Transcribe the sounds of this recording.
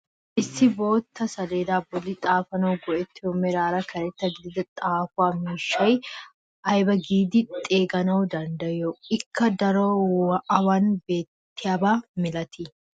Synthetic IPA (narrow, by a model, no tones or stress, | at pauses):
ʔɪsːɪbo̞ːt̪ːɐsɐd̪eːd̪aːbɔlːɪt̪ʼaːfɐnɐwɡɔʔɛt̪ːɪomɛɾaːɾɐkʰɐɾɛt̪ːɐɡid̪ɐt̪ʼaːfʊwaːmiːʃːɐj | ʔɐjbɐɡiːd̪ɪt̪ʼeːɡɐnɐwʊd̪ɐnd̪ɐjoɪkːɐd̪ɐɾoʔɐwɐnbeːt̪ːɪjabaːmɪlɐt̪ɪ